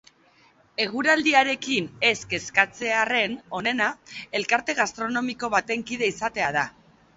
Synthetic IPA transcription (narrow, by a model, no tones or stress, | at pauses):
e̞ɣ̞uɾald̪iaɾe̞kine̞ske̞skat͡se̞are̞no̞ne̞nae̞lkaɾt̪e̞ɣ̞ast̪ɾo̞no̞miko̞βat̪e̞ŋkiðe̞isat̪e̞að̞a